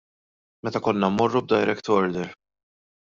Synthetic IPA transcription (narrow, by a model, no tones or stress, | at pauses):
mɛt̪ɐkɔnːɐmmɔrːub̚d̪ɐjɾɛkt̪ɔɾd̪ɛɾ